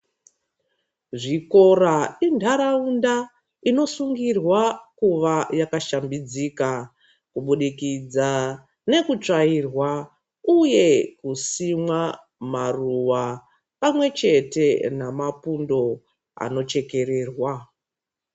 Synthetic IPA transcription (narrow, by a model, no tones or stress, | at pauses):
ʐiko̞raindʱaɾaunda | ino̞suŋɡirwakuʋajakaʃambid͡zika | kuɓuɗikid͡za | ne̞kut͡ʂairwa | uje̞kusimwa | maruʋa | pamwe̞t͡ʃe̞te̞namapundo̞ | a̰no̞t͡ʃe̞ke̞ɾe̞ːrwa